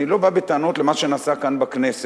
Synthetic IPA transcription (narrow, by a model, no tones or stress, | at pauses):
ilo̞babet̪aano̞t̪lemaʃenasakanbaknese